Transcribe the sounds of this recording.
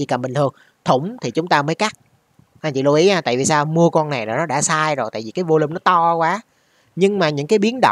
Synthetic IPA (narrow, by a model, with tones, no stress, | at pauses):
ḭ˧˩ka˨˩mɓï˨˩ŋ̟t̪ʰɨ˧əŋ | t̪ʰʊ˧˩ŋ͡mt̪ʰi˨˩t͡ɕʊ˨˦ŋ͡mt̪aː˧məː˨˦jka˦˥k̚ | ʔa˧nt͡ɕḭ˧˨lu˧ʔi˨˦ʔaː˧t̪a̰ː˧˨jvi˨˩saː˧mu˧əkɔ˧nna˨˩jɾaː˨˩nɔ˨˦ɗa̰ː˧˥saː˧jzo˨˩jt̪aː˧˨vi˨˩kaː˨˦jvo˧li˧ŋ͡mnɔ˨˦t̪ɔ˧kwaː˨˦ | ɲɨ˧ŋmaː˨˩ɲɨ̰˧˥ŋkaː˨˦jɓi˨˦ənɗə̰˧˨